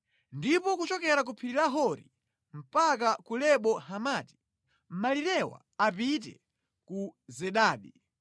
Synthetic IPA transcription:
ndipɔkut͡ʃɔkɛɾak̬upʰiɾiɾaɦɔɾḭ | m̩pakakulɛɓɔhamaːti̥ | m̩maliɾɛwa̰ | apit̬ɛ̰ | kuzɛɗaːɗi

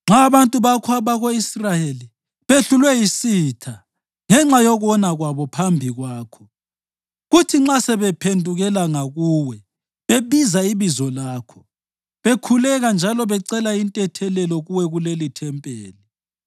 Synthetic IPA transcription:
ŋ͡ǁaːβantʼuβakʰaβaɣoisrajeli | βeɬulwɛjisitʰa | ŋɛŋ͡ǁajɔɣɔnaɣwaβɔpʰambʱiɣwaːkʰɔ̥ | ɣutʰiŋ͡ǁasɛβɛpʰendʱuɣɛlaŋaɣuwɛ | βeβizaiβizɔlaːkʰɔ̥ | βekʰulɛɣand͡ʒʱalɔβɛǀɛlaintʼɛtʰɛlɛlɔɣuwɛɣulelitʰɛmpʼeːli

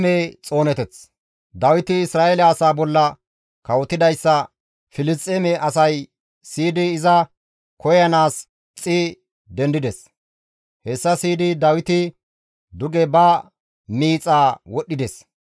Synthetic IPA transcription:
eːt͡sʼo̞ːnɛt̪ɛt͡s | d̪ɐwɪt̪ɪɪsɾaːʔelɛɐsaːbɔlːɐ | kɐwɔt̪ːɪd̪ɐjsːɐ | fɪlɪstʼːemɛʔɐsɐj | siːd̪ɪːzɐ | kɔjɐnaːs | t͡sʼɪ | d̪ɛnd̪ɪd̪ɛs | hɛsːɐsiːd̪ɪd̪ɐwɪt̪ɪ | d̪ʊɡɛbɐ | miːt͡sʼaːwɔɗːɪd̪ɛs

